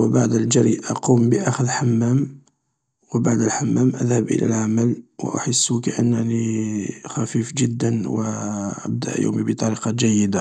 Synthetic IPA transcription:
wəbaʕd̪əld͡ʒəɾiʔɑqumbəʔæxəðlħamːæm | wəbaʕd̪əlħamːæmʔə̰ðhəbʔə̰lʔæ̰lʕaməlwə̰ʔʊ̰ħəsːukaʔə̰nːənixæfifʒəd̪ːənwəʔə̰b̚d̪æ̰ʔjṵmibət̪ˤɑɾiqɑd͡ʒæjːəd̪a

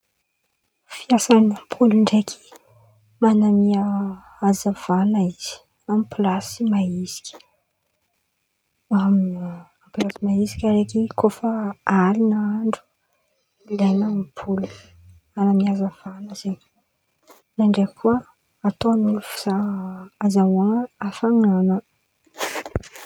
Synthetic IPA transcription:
fiasanampʰuluɳɖ͡ʐekʰi̥ | manamia | azav̥anaiz̥i̥ | amiplasimaizi̥kʲi̥ | amamplasimaisi̥kʲaɾekikofəaɾinaaɳɖ͡ʐu̥ | lenapʰulu | manamiazav̥anəz̥eɲ | naɳɖ͡ʐeakʰuə | at̪oanulufi̥zaː | zawaŋafaŋanə

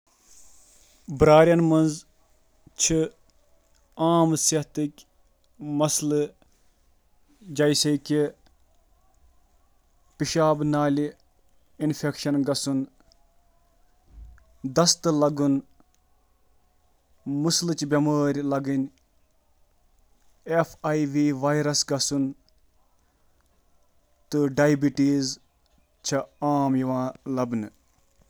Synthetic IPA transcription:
bɾaːɾʲjɐnmɐnz | t͡ʃʰi | aːmsiɦt̪ɨkʲ | mɐslɨ | d͡ʒɐjsɐjkʲi | piʃaːbnaːlʲi | infʰʲekʃɐnɡɐsun | d̪ɐst̪ɨlɐɡun | muslɨt͡ʃbʲɐməːɾʲlɐɡinʲ | efʰaːjʋiːʋaːjɾɐsɡɐsun | t̪ɨɖaːjbiʈiːz | t͡ʃʰɐaːmjiʋãːlɐbnɨ

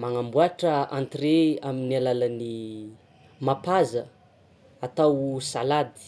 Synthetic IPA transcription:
maŋambuaʈ͡ʂəãnt̪reaminalaləni | mapazə | at̪awsalad̪i̥

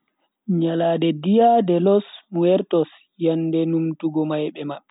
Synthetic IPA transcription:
ɲalaːdɛdijadɛlɔsmuwɛɾtɔs | jandɛnumtuɡɔmajɓɛmaɓːɛ

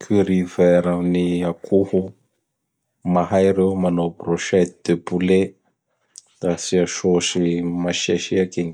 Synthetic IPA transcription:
kʰyɾivɛɾaniakʰuhu | maɦajɾemanoproʃɛt̪d̪̥epule | d̪̥asiaʃoʃimaʃaʃiakeɲi

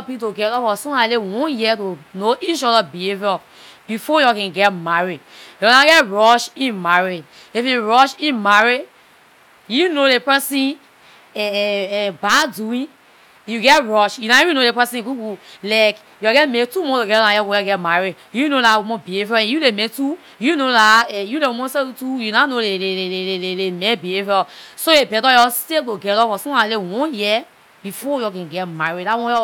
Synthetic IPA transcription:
ɔpitoɡɛtɔfɔsũalewɔ̃njitonoʔit͡ʃɔdabiheviɔ | b̥ifɔjɔkɛ̃nɡɛt̚maɹijɔɔlaɡɛtɹɔʃĩnmaɹi | ifjuɹɔʃĩnmaɹi | junolepɛsĩn | ɛ | baduĩn | juɡɛtɹɔʃjunaiĩnodepɛsĩɡuɡulaɪk | jɔɡɛtmetumɔ̃toɡɛdɔlãjɔɡoɡɛɡɛtmaɹid | junolamɔ̃bihevɔɛ̃julemetu | junolaɛjulemɔ̃sɛtujunanolelelelelelemɛ̃bievɔsoebɛdɔjɔsteɡoɡɛlɔfɔsɔ̃alewɔ̃nji | b̥ifɔjɔkɛ̃ɡɛtmaɹiddawɔ̃jɔ

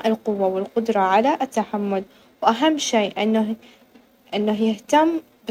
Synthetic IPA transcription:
ʔɪlqʊwːawɪlqʊd̪ɾˤɑʕalaʔɪt̪ːaħamːʊl | wʔaɦamːʃeːʔɪnːa | ʔɪnːaɦjɪht̪amː

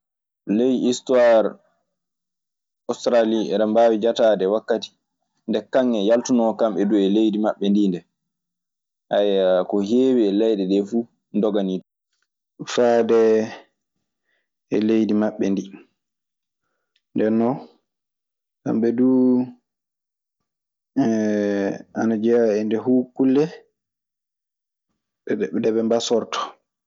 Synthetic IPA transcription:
lejistuwaɾ | ɔstɾaliɛɾambaːwid͡ʒataːdɛwakːati̥ | ndɛkaŋːɛjaltunɔkamɓɛduɛlejdimaɓːɛndiːndɛ | ʔajakɔɦeːwiɛlɛjdɛɗɛfuː | ndɔɡanitɔ | faːdɛ | ɛ̰lejdimaɓːɛndi | ndɛnːɔ | sa̰mɓɛduː | anad͡ʒɛaɛndɛhuːkːulːɛ | dɛɓɛmbasɔɾtʰɔ̥

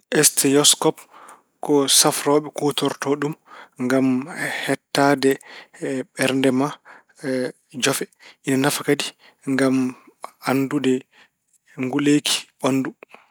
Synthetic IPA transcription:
ʔɛstɛjɔskɔp | kɔsafɾɔːɓɛkotɔɾtɔɗumŋɡamhɛtːaːdɛ | ɓɛɾndɛma | d͡ʒɔfɛʔinanafakadi | ŋɡamandudɛ | ŋɡulekʰi̥ɓanːdu

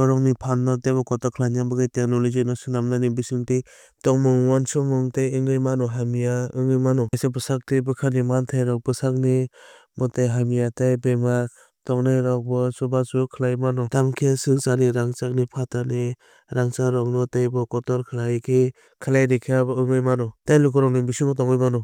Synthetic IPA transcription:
ɔɾɔŋnipʰanːɔtabɔkɔtɔkʰlajnabɯɡajtianɔlizɯnɔsɯnamnanibisɯŋtej | tɔŋmɯŋwansɔmɯŋtajɯŋɡɯjmanɔɦamijaɯŋɯmanɔajsabɯsak̚tɯjbɯkʰanimantʰajɾɔk̚bɯsak̚ni | mɔtajɦamijatajbema | tɔŋnajɾak̚bɔsubasukʰɯlajmanɔtamkʰijasɯŋsaniɾaŋt͡ʃak̚nipʰatani | ɾaŋt͡ʃaɾɔŋnɔtajbɔkɔtɔɾkʰɯlajkʰe | kʰɯlajɾikʰijabɯŋɯjmanɔtajlukɔɾɔŋnibisuŋtɔŋɯjmanɔ

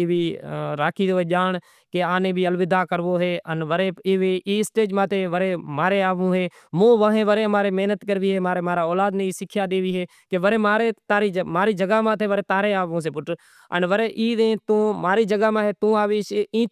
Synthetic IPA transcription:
iːʋiːɾaːkʰiːd̪oːeːʄaːɳ | keaːnẽːbiːəlʋɪd̪aːkəɾʋoːɦeːʔənʋəɾeːɪʋeʔiːsʈeːd͡ʒmãːt̪ʰeːʋəɾeːmaːɾeːaːʋõːɦeː | mõːʋəɦẽːʋəɾeːmaːɾeːmeɦnət̪kəɾʋiːɦeːmaːɾeːmaːɾaːoːlaːd̪nẽːiːsɪkʰjaːɗ̪eːʋiːɦeː | keʋəɾeːmaːɾeːt̪aːɾiːd͡ʒmaːɾiːd͡ʒəɡaːmãːt̪ʰeːʋəɾeːt̪aːɾeːaːʋõːs̬eːpʊʈ | ə̰nʋəɾeːʔiːd̪ẽːt̪õːmaːɾiːd͡ʒəɡaːmãːɦeːt̪ũːaːʋeːʃĩː

